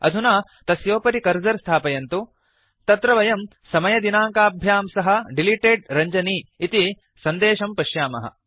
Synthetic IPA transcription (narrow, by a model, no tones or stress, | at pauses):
ɐ̰d̪ʱunaː | t̪ɐsjoːpɐɾikɐɾzɐɾst̪ʰaːpɐjɐnt̪u | t̪ɐt̪ɾɐʋɐjɐm | sɐmɐjɐd̪inaːŋkaːbʱjaːmsɐɦɐ̆ɖiliʈeːɖ̚ɾɐɲd͡ʒɐniːt̪i | sɐnd̪eːʃɐmpɐʃjaːmɐɦɐ̰